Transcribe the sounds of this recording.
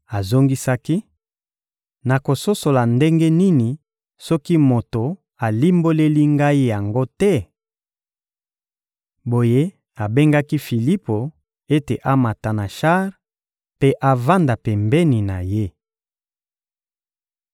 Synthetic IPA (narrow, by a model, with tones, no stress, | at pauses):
a˨zo˦ŋɡi˦sa˦ki˦ | na˨ko˨so˦so˨la˨nde˦ŋɡe˦ni˦ni˨ | sɔ˦ki˦mo˨to˨ | a˨li˦mbo˦le˦li˦ŋɡa˦i˦ja˨ŋɡo˦tɛ˦ | bo˨je˦ | a˨be˦ŋɡa˦ki˦fi˨li˦po˨ | e˦te˨ʔa˦ma˨ta˨na˨ʃa˦ʁ | pe˦ʔa˨va˦nda˨pɛ˨mbɛ˦ni˨na˨je˦